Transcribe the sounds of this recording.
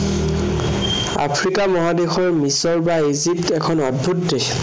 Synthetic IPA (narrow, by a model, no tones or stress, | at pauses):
a̰pʰɹikamɔɦadexɔɹmisɔɹbaizip̚tɛkʰɔnɔdbʱutde